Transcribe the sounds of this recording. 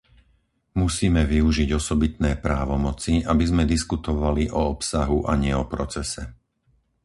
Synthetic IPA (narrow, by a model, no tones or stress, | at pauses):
musiːmɛʋiuʒiɟɔsɔbit̪nɛːpɾaːʋɔmɔt͡siabizmɛd̪iskut̪ɔʋaliʔɔɔpsaɦuʔaɲɪɛɔpɾɔt͡sɛsɛ